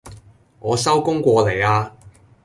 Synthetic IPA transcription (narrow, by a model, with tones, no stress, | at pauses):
ŋɔː˨˧sɐ˥wkʊ˥ŋkʷɔː˧le˨˩jaː˧